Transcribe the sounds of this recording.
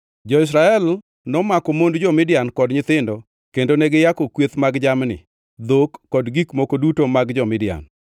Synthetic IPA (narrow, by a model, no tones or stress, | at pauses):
d͡ʒɔɪs̬ɾaɛl | nɔmakɔmondd͡ʒɔmɪdɪjankɔdɲɪt̪ɪndɔ | kendonɛɡɪjakɔkwet̪maɡd͡ʒamnɪ̰ | d̪okːɔdɡikmokodutomaɡd͡ʒɔmɪdɪa̰n